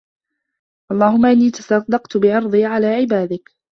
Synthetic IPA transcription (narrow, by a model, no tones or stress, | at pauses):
ʔɑlˤːɑːhʊmːaʔɪnːiːt̪ɑ̥sɑsd̪ɑqt̪bɪʕɑɾˤd̪ˤiːʕalaːʕɪbaːd̪ɪk